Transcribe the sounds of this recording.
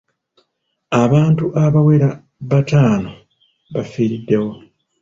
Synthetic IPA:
aβaːntuʔaβaweɾa | βataːno | βafiːɾidːe̞wo̞

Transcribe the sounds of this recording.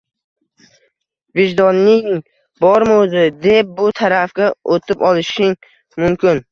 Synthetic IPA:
vɪʒd̪ɒnːɪŋ | bɒɾmɪozɪd̪e̞p̚bʊt̪ʰaɾafkʲaʔot̪ʰɪpɒlˠɪʃɪŋ | mʊmkʲɪn

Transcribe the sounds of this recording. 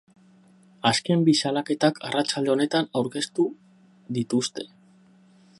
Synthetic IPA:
aske̞mbisalake̞t̪akʰarat͡ʃald̪e̞o̞ne̞t̪anawɾke̞st̪u | ðit̪ust̪e̞̥

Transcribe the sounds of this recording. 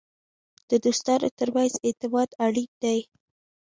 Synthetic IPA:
d̪̥əd̪ust̪ɑɾo̰t̪əɾwajzet̪ɪbɑd̪aɽik̚d̪aj

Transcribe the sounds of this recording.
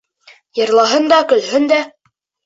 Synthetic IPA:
jɤ̆ɾlˠɑɦɤnd̪ɑkɵ̆lɦɵnd̪æ

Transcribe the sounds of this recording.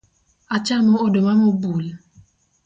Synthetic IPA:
at͡ʃanuodomamobul

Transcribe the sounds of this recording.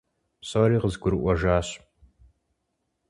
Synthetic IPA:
psɐɾiːqəzɡʷʊɾɨʔʷɔʒaːɕ

